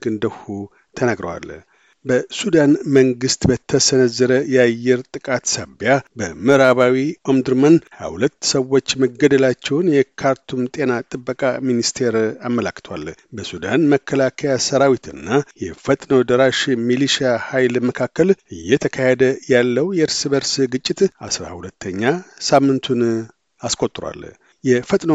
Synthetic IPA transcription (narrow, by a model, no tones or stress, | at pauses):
ɡɨnd̪əhu | t̪ʰənaɡɾə̰wa̰l | bəsud̪anməŋɡɨst̪bət̪ʰːəsənəzːəɾəjɛajːɛɾt̪ʼɨkʼat̪saβjabəmɨɾaβawiomd̪ɨɾmənhaa̰wlət̪ːsəwːo̞t͡ʃːməɡːəd̪əlat͡ʃːɛwnjɛkʰaɾt̪ʰumt̪ʼe̞nat̪ʼɨbːəkʼaminist̪ʰe̞ɾamːəlakːɨ̥t̪ʰwa̰lbəsud̪anməkːəlakʰajasəɾawit̪ʰɨ̰nːajɛ̰fət̪ʼnod̪əɾaʃmiliʃahajlməkʰakːəlʔɨjːɛt̪ʰəkʰahed̪əjalːəwjɛɨɾsɨβəɾsɡɨt͡ʃʼːɪt̪a̰sɾa̰hulət̪ʰːəɲːasamːɨnt̪ʰun | askʼo̞t̪ʼːɾwa̰l | jɛfət̪ʼno